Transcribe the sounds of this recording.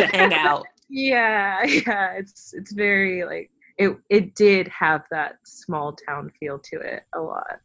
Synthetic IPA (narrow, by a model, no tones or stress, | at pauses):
æ̃ŋaʊt | jæjæɪtsɨtsvɛɹila̰ɪk̚ | ɪt̚ɪt̚d̥ɪd̚əvðət̚smɔlˠtʰãʊ̃nfilˠd̚tʰɨɪ̰t̚əlɔ̰t̚